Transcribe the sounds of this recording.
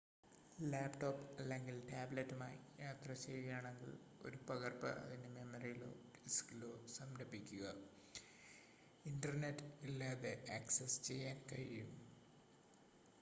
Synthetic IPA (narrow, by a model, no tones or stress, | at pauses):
laːpʈo̞ːpːɐlːe̞ŋɡiltaːblɐtːumaːjijaːt̪rɐt͡ɕeːðijaːɳe̞ŋɡil | o̞̰ɾupɐɣɐrpɐ̰ʔɐ̰ðinɨme̞mɐrijilo̞̰ːisi̥kilo̞ːsɐmɾɐbikʲːuɣɐ | indɐrnetːilːaːðeʔaːksest͡ɕe̞jːaːnkɐɻijum